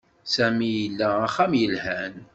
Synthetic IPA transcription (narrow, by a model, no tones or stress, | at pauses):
sæmijəlːææχæmjəlhæn